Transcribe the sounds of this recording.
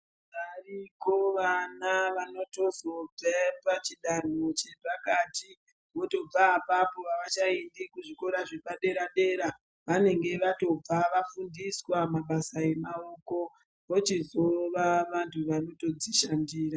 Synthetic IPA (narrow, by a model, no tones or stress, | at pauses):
ʋarikoʋanaʋano̞to̞zo̞b͡vapat͡ʃiɗan̤ot͡ʃebakati | ʋo̞to̞b͡vaːpapo̞ʋaʋat͡ʃaendikuʐiko̞ɾaʐepaɗe̞ɾaɗe̞ːɾa | ʋane̞ŋɡe̞ʋato̞b͡vaʋafundiswamaɓasae̞mao̞ko̞ | ʋot͡ʃizo̞ʋaʋantʰuʋano̞to̞d͡ziʃandiːɾa